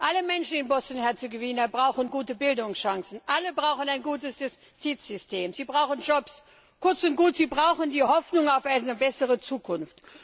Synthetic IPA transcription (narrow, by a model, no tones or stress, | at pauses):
ʔaləmɛnʃn̩ɪnbɔstn̩hɛɐt͡seɡoviːnɐbʁaʊxənɡuːtəbɪldʊŋsʃaŋsn̩ʔaləbʁaʊxən̩aɪnɡuːtəsjʊs | tʰiːt͡sz̥ʏstʰeːmziːbʁaʊxn̩d͡ʒɔps | kʊɐt͡sʊnt̚ɡ̥uːtz̥iːbʁaʊxəndiːhɔfnʊŋaʊfaɪnəbɛsəʁət͡suːkʰʊnft